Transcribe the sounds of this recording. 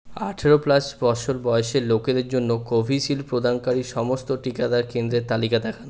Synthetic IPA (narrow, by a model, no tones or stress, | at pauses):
a̰ʈʰeɾoplasbɔt͡ɕʰoɾbɔeʃeɾloked̪eɾd͡ʑonːokobʱiʃilpɾod̪ʱankaɾiʃɔmost̪oʈikad̪aɾkend̪ɾet̪alikad̪ɛkʰan